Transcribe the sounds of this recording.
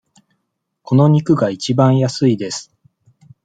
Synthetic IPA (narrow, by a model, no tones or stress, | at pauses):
ko̞no̞ɲ̟ikɯ̟ɡait͡ɕibãɰ̃jasɨid̪e̞sɨ̥